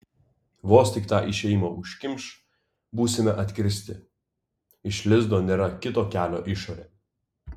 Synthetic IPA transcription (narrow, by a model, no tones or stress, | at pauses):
ʋoːsʲt̪ʲɪkt̪ɑːʔɪʃʲɛjmoʊʃʲkʲɪmʲʃ | buːsʲɪmʲɛʔɐt̪ʲkʲɾʲɪsʲt̪ʲɪ | ɪʃʲlʲɪzd̪oːnʲeːɾɐkʲɪt̪oːkʲæːlʲo̰ːʔɪʃoːɾʲeː